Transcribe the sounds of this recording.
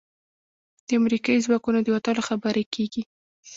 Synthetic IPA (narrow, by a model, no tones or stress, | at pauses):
d̪̥əamɾikɑizwɑkunod̪əwat̪ɑloxabəɾekʰeɡi